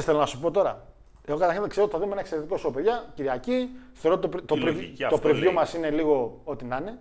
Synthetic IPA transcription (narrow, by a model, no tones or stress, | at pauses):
st̪elonɐsu̥po̞t̪o̞ɾɐ̰ | eɣo̞kɐt̪ɐɾçinkse̞ɾot̪i̥θɐðiumenɐekseɾet̪iko̞sopeðʝɐciɾiɐciθeɾot̪t̪opɾt̪opɾivt̪opɾivʝomɐsine̞liɣo̞o̞t̪inɐne̞